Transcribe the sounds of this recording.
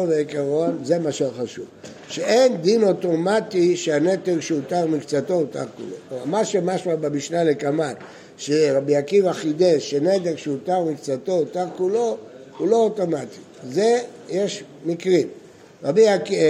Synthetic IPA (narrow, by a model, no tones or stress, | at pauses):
oveikaʁo̞nze̞maʃeoχaʃuv | ʃeʔend̪ino̞to̞matiʃeanet̪eʁʃeut̪aʁmikt͡sat̪o̞ut̪a̰ʁkṵlo̞̰kmamaʃemaʃmabamiʃnalekaman | ʃeʁabiakivaχid̪eʃened̪eʁʃeut̪aʁmikt͡sat̪o̞ut̪aʁkulo̞ | ulo̞ot̪o̞mat̪i | ze | je̞ʃ | mikʁim | ʁabiak